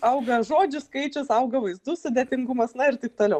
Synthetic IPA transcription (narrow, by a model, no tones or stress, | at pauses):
ɐʊɡɐʒoːd͡ʒʲʊskɐɪt͡ʃʲʊsɐʊɡɐʋɐɪzd̪ʊsʊd̪ʲet̪ʲɪŋɡʊmɐsnɐɪɾt̪ɐɪp̚t̪oːlʲɛʊ